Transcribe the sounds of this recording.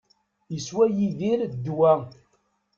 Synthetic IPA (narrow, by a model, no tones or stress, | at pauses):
jəswæjiðiɾd̪ːwæ